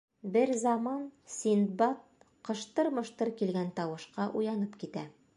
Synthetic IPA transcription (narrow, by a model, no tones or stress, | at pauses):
bɘɾzɑmɑnsʲind̪bɑt̪̚ | qɤ̆ʃt̪ɤɾmɤ̆ʃt̪ɤɾkilɡænt̪ɑwɤ̆ʃqɑʔujɑnɤpkit̪æ